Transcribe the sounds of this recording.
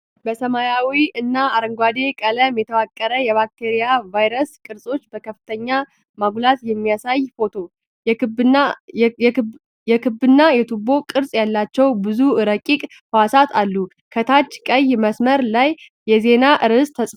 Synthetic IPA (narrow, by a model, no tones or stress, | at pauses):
bəsəmajawiɨnːaːɾəŋɡʷwad̪e̞kʼələmjɛt̪ʰəwakʼːəɾəjɛβakt̪ʰeɾijavajɾəskʼɨɾsʼo̞t͡ʃːbəkʰəfːɨt̪ʰəɲːa | maɡʷlat̪jɛmːijasajfo̞t̪ʰo̞ | jɛkʰɨbɨnːajɛt̪ʰubo̞kʼɨɾsʼjalːat͡ʃːɛwbɨzuɨɾəkʼːikʼ | həwasat̪ʰalːu | kʰət̪ʰat͡ʃːkʼəjməsməɾlajː | ɛze̞naʔɨɾɨsʼt̪ʰəsʼf